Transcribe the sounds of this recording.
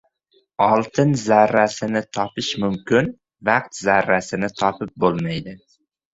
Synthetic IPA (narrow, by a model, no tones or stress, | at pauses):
ɒlˠt̪ʰɪnzaɾːasɪnɪt̪ʰɒpɪʃmʊmkʲɪn | vɑq̚t̪zaɾːasɪnɪt̪ʰɒpɪp̚bolˠmajd̪ɪ